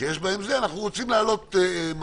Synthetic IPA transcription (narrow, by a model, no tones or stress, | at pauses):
jeʃbaemzeanaχnuʁot͡simlaːlo̞t̪m